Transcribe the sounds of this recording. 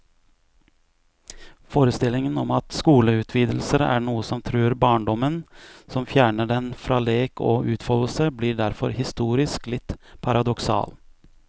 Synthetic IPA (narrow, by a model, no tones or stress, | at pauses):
foːɾəst̪ɪlːɪŋənɔmɑt̪skuːləʉːt̪ʰʋiːd̪l̩səɾæ̰ɳuːəsɔmt̪ʰɾʉːɾbɑːɳɖɔmənsɔmfjæːɳəɖɛnfɾɑːleːkʰo̰ːʔʉːt̪fɔləsəbliːɖæɾfɔ̰ɾhɪst̪uːɾɪsklɪt̪ːpʰɑɾɑd̪ɔksɑ̰ːl